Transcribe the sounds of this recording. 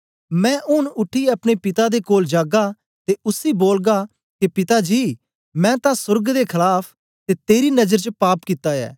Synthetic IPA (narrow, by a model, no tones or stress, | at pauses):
mɛ̃ːʔʊnʊʈʰːiːɐpɽ̃eːpɪt̪ad̪ekoːld͡ʒaːɡaː | t̪eʔʊsiːboːlɡaː | kepɪt̪ad͡ʒiː | mɛ̃ːt̪ãsʊɾɡd̪eːkʰɪlaːpʰ | t̪eːt̪eːɾiːnɐzəɾt͡ʃəpaːpkɪt̪aːjɛ̰ː